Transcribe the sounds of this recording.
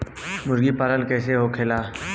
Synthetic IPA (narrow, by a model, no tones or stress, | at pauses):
mʊɾɡipaːɾəlkɛːseɦokʰeːlaː